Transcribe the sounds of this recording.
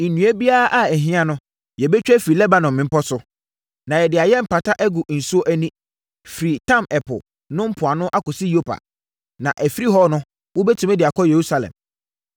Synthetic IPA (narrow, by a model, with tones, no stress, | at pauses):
n̩˨nũ˨ɛ˦bi˦a˦ʔa˦ɛ˨ɦɪ̃˦ã˦nʊ̃˦ | jɛ˨bɛ˦t͡ɕᶣɛ˦fi˨ɾi˨lɛ˦ba˨nɔ̃˨mɪ̃˨m̩˦pɔ˦sʊ˦ | nã˨jɛ˨dɪ˨a˨jɛ˦m̩˨pa˨tʰa˦ʔɛ˦ɡʊ˨n̩˨su˦o˦ʔæ˦nĩ˦ | fi˨ɾi˨tʰã˦˨mɛ˨pʰʊ̰˨ | nʊ̃˦m̩˦pʰʊ˨a˨nʊ̃˦ʔa˦kʊ˨si˦jo˦pʰa̰˨ | nã˨ʔæ˨fi˦ɾi˦ɦɔ˦nʊ̃˦ | wʊ˦bɛ˦tʰũ˨mɛ˦dɪ˨a˨kʰɔ˦je˨ɾu˦sa˨lɛ̰̃˨m